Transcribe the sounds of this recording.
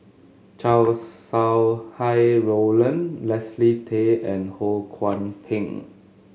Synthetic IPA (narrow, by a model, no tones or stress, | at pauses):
t͡ʃawsːawhajɹolə̃nlɛslitʰeɛ̃nholkʰwãnpʰĩŋ